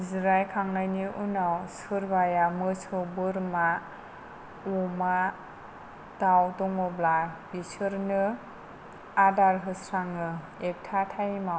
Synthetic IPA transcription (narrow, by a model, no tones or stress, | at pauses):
izɾajkʰaŋnajniʔunawsɯɾbajamɯsʰobɯɾma | uma | d̥awtɔŋɔblabisɯɾnɯ | adaɾɦɯsɾaŋɯ | ek̚tʰatʰajmaw